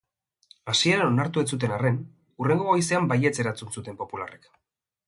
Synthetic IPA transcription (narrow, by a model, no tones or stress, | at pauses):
asie̞ɾano̞naɾt̪uet͡sut̪̬e̞nare̞n | ure̞ŋɡo̞ojse̞ambaje̞t͡se̞ɾat͡sunsut̪e̞mpo̞pula̰re̞k